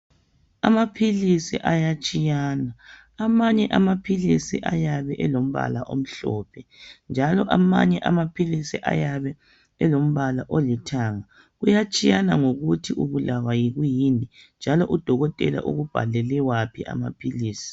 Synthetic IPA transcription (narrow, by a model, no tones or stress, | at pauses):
a̰mapʰilisḭʔajat͡ʃʼijaːnaː | maɲɛʔamapʰilisḭʔajaβɛʔɛlom̩βa̰laʔom̩ɬɔːpʰɛnd͡ʒʱalɔʔama̰ɲɛʔa̰mapʰilisiʔa̰jaβɛ | ɛlom̩βalaʔolitʰaŋa | ɣujat͡ʃʼijanaŋoɣutʰiʔuβulawajiɣujinind͡ʒʱalɔʔud̥ʱɔɣɔtʼɛ̰la̰ʔṵɣub̥ʱa̰lɛlɛwapʰiʔa̰ma̰pʰiliːsi̥